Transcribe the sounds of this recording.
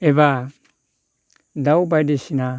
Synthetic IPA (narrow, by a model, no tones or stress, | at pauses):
eβa | daubajdesina